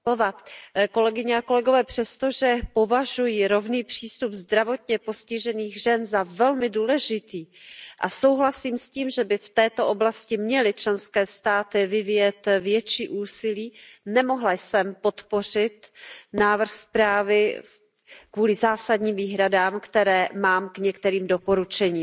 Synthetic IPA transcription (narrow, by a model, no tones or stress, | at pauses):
ovako̞lɛɡɪɲɛako̞lɛɡo̞vɛːpr̥ɛst̪o̞ʒɛpo̞vaʒujiɾo̞vniːpr̥iːst̪upzd̪ɾavo̞t̪ɲɛpo̞scɪʒɛniːɣʒɛnzavɛlmɪduːlɛʒɪt̪iːʔaso̞wɦlasiːmsciːmʒɛbɪft̪ɛːt̪o̞ʔo̞blascɪmɲɛlɪt͡ʃlɛnskɛːst̪aːt̪ɪvɪvɪjɛt̪vjɛt͡ʃiːʔuːsɪliːnɛmo̞ɦlajsɛmpo̞t̪po̞r̝ɪt̪naːvr̩xspɾaːvɪ | kvuːlɪzaːsadɲiːmviːɦɾadaːmkt̪ɛɾɛːmaːmkɲɛkt̪ɛɾiːmdo̞po̞ɾut͡ʃɛɲiːm